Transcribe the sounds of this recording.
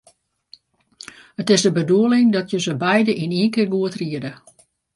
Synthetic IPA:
ətɪzdəbəduəlɪŋdɔtjəzəbɛjdəʔiniə̃nkɪrɡuətriədə

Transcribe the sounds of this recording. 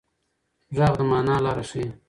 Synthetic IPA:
ʐɑːɣd̪əmɑːnɑːlɑːɾaʂi

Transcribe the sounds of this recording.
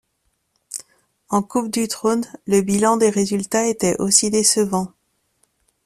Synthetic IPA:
ɑ̃kup̚d̪yt̪χonləbilɑ̃d̪eʁezylt̪aet̪ɛʔosid̪esəvɑ̃

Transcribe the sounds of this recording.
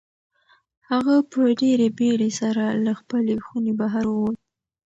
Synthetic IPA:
haɣapəɖeɾebeɽesaɾalaxpəlexunebaɦaɾwwot̪

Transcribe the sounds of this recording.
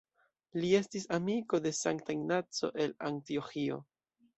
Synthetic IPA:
lie̞stisamiko̞de̞saŋktajnat͡so̞̰ʔe̞laŋtio̞xio̞̰

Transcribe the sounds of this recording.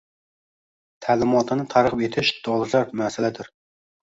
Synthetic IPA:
t̪ʰælɪmɑt̪ʰɨnɨt̪ʰɑɾqɨpet̪ʰɪʃd̪̥ɔlˠɨʃɑɾmɛsɪlɛd̪ɪɾ

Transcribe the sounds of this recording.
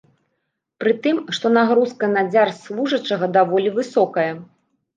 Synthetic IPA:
pɾɨt̪ɨmʂt̪ɔnaɣɾuskɐnad͡zʲarslˠuʐɐt͡ʂɐɣɐd̪avɔlʲivɨsɔkɐjɐ

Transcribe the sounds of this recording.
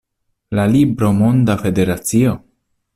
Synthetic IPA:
lalibɾo̞mond̪afe̞de̞ɾat͡sio

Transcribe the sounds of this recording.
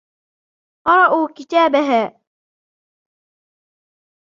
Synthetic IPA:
qɑɾˤɑʔuːkɪt̪aːbaɦaː

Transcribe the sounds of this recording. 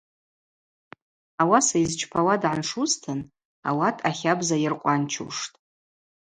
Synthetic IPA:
awasaizt͡ʃʰpʰawadʕanʂuztʰɨn | a̰watʰʼaχʲabzajɪrqʷʼant͡ʃʰṵʂtʼ

